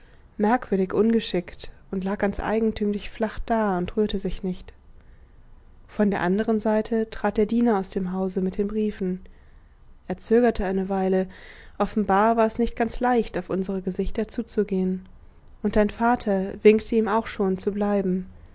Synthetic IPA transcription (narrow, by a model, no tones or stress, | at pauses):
mɛɐkv̥ʏɐɾɪçʔʊnɡəʃɪkt | ʊntlaːk̚ɡ̥ant͡sʔa̰ɪɡŋ̩tʰyːmlɪçflaχd̥aːʊntʁyːɐtəzɪçnɪçt | fɔndeːɐʔandəʁənzaɪtʰətʁ̥aːt̚d̥eːɐdiːnɐaʊsd̥eːmɦaʊzəmɪt̚d̥eːnbʁiːfn̩ | ʔeːɐt͡søːɡɐtʰəaɪnəvaɪləʔɔfn̩baːɐvaːɐɛsnɪçt̚ɡ̥ant͡slaɪçtaʊfʔʊnzəʁəɡəzɪçtɐt͡suːt͡suɡeːən | ʔʊntd̥aɪnfaːtʰɐvɪŋktʰəiːmaʊxʃoːnt͡sublaɪbm̩